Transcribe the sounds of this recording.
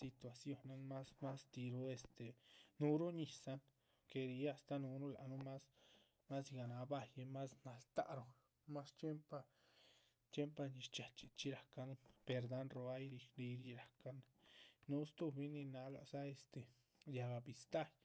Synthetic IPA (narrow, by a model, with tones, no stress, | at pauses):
si˧t̪wa˨sjo˦na˦nma˦sma˦st̪i˧ɾo˦e˧st̪e˨nu˧ɾu˦ɲi˨sa˦n | ke˨˧ɾi˧˦a˧st̪a˦nu˧nu˦la̰˨ʔnu˦ma˦s | ma˦sɡa˨na˨˧ba˧je˧ma˦sna˨lt̪a̰˦ʔɾo˧ | ma˦st͡ʃje˦mpa˧ | t͡ʃje˦mpa˧ni˧ʃt͡ʃa˨t͡ʃi˨t͡ʃi˦ɾa˨ka˦npe˧ɾd̪a˦nɾo˧a˦jɾi˧kɾi˧ɾi˧ɾa˨ka˦n | nu˦st̪u˧bi˦ni˧na˧ɡa̰˨sa˦e˧st̪e˨ | ja˧ɡa˨bi˨st̪a˦j